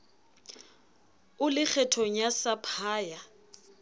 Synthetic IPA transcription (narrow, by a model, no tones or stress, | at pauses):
ʊlɪk͡xʰɛtʰɔɲasapʰaːja